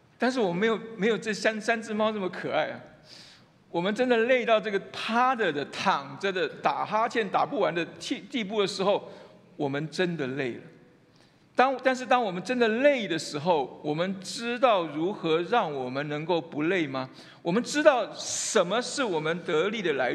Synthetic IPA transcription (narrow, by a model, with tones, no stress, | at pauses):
t̪a˥˧nʂ̬ɻ̩˥˩wɔ˨˩mə˦me˧˥ɪjo˨˩me˧˥ɪjo˨˩ʊʈ͡ʂə˥˩˨ɕa˥nsa˥nt͡sɹ̩˥˧mɑ˥ʊnə˥˩mə˩kʰɤ˨˩a˥˩ɪɐ˩ | wɔ˨˩mə˧˦nʈ͡ʂə˥nd̪ə˨le˥˧ɪt̪ɑ˥˧ʊʈ͡ʂɤ˥˩ɡə˩pʰa˥d̪ə˨d̪ə˨t̪ʰɑ˨˩ŋd͡zə˦d̪ə˨t̪a˨˩xa˥t͡ɕʰjɛ˥˩nt̪a̰˨˩pu˥˩wa˧˥nd̪ə˧tʰi˥˧t̪i˥˧p̬u˥˩d̪ə˩ʂɻ̩˧˥xo˥˩ʊ | wɔ˨˩mə˦nʈ͡ʂə˥nd̪ə˨le˥˩ɪlə̰˩ | t̪ɑ˥ŋt̪a˥˧nʂ̬ɻ̩˥˩t̪ɑ˥ŋwɔ˨˩mə˦nʈ͡ʂə˥nd̪ə˨le˥˩ɪd̪ə˩ʂɻ̩˧˥xo˥˨˩ʊwɔ˨˩mə˦nʈ͡ʂɻ̩˥t̪ɑ˥˩ʊɻu˧˥xɤ˧˥ɻɑ˥˩ŋwɔ˨˩mə˦nnə˧˥ŋko˥˩ʊpu˧˥le˥˩ɪma˨ | wɔ˨˩mə˦nʈ͡ʂɻ̩˥t̪ɑ˥˩ʊʂə˧˦˥nmə˧ʂɻ̩˥˩wɔ˨˩mə˦nt̪ɤ˧˥li˨˩d̪ə˩la˧˥